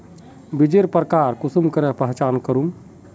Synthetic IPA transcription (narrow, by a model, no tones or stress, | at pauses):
bid͡ʒeɾpəɾkaːɾkusumkəɾɛpəɦt͡ʃaːnkəɾum